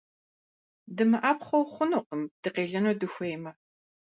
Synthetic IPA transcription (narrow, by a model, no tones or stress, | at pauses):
dɨmɨʔaːpχʷɔwχʷʊnoːqəmd̥ɨqeːɮɐnodɨxʷejmɐ